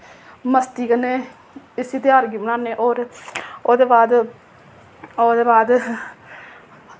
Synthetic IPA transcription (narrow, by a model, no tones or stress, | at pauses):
məst̪iːkənːeː | ɪsiːt̪eaːɾɡiːmənaːneːʔoːɾoːd̪eːbaːd̪ | oːd̪eːbaːd̪